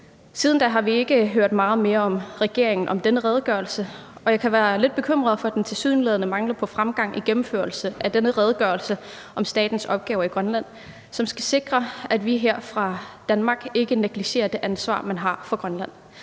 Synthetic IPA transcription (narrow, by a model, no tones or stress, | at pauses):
siːð̞ˠn̩d̥æɦɑ̈ʋie̝ɡ̥əɦøɐ̰d̥mɑ̈ːð̩ˠme̝ːɐɒ̽mʁɛɡ̥e̝ɐ̰e̝ŋn̩ʔɒ̽md̥enəʁɛð̞ˠɡ̥ɶɐl̩səʔɒ̽jɑ̈ɪkʰæʋæːɐle̝d̥̚b̥e̝kʰøm̰ʁɐð̞̩ˠfɒ̽æd̥ent͡sʰe̝lsyðˠn̩leð̞ˠnəmɑ̈ŋlɐpʰɒ̽fʁamɡ̥ɑ̈ŋ̰ʔiɡ̥emm̩føɐlsəʔæd̥enəʁɛð̞ˠɡ̥ɶːɐlsə | ʔɒ̽msd̥ɛ̰ːd̥n̩sɒ̽b̥̚ɡ̥ɛːʊɐiɡ̥ʁɶnlæn̰ | sɒ̽msɡ̥æse̝ɡ̥ʁɐæd̥ʋiɦeɐ̰fʁɑ̈d̥ænmɑ̈ːɡ̥e̝ɡ̥əneɡ̥liɕe̝̰ːɐd̥e̝ʔænsʋɑ̰̈ːmænɦɑ̈fɒ̽ɡ̥ʁɶnlæn̰